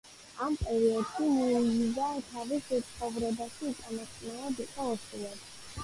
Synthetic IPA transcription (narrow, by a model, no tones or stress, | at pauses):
ampʼɛɾiɔd̪̥ʃimɔizid̪at̪ʰavisɛt̪sʰχɔvɾɛbaʃiːt̪ʼamɔst̪sʼnɛlad̪iqʼɔɔsulˠɛb